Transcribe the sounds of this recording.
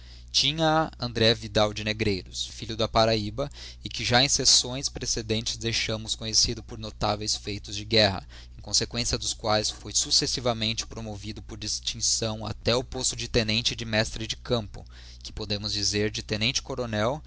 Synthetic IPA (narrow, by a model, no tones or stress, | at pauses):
t͡ʃĩɲɐɐ̃nd̪ɾɛvid̪awd͡ʒɪneɡɾejɾʊsfiʎʊd̪ɐpaɾaibɐ | ɪkɪʒaẽj̃sesõj̃spɾesed̪ẽnt͡ʃɪzd̪ejʃɐ̃mʊskõɲesid̪ʊpoɾnot̪avejsfejt̪ʊzd͡ʒɪɡɛɦɐ̰ | ẽkõsekwẽsiɐd̪ʊskwajsfojsusesivɐmẽnt͡ʃɪ̥pɾomovid̪ʊpoɾd͡ʒist͡ʃĩsɐ̃w̃a̰t̪ɛʊpost̪ʊd͡ʒɪt̪ẽnẽnt͡ʃɪd͡ʒɪmɛst̪ɾɪd͡ʒɪkɐ̃mpʊ̰ | kɪ̥pod̪ẽmʊzd͡ʒizeɾd͡ʒɪt̪ẽnẽnt͡ʃɪ̥koɾonɛw